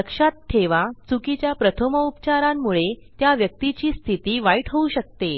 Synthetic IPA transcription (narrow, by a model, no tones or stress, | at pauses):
əkʂat̪̚ʈʰːeʋat͡sukit͡ɕjapɾət̪ʰəməupt͡ɕaɾamːuɭet̪jaʋjək̚t̪it͡ɕiːst̪ʰit̪iːʋajʈʰəuɕək̚t̪e